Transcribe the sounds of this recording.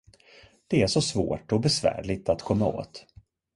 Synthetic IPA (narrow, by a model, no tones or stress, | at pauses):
d̪̥ɛæʂɔsvoːʈɔbɛsvæ̰ːɾɭɪt̪at̪kʰɔmːao̰ːt̪